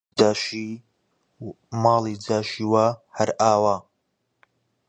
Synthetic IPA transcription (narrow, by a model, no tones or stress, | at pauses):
aːʃi | mɑːlˠiːd͡zaːʃiːwaːhɐɾʔaːwaː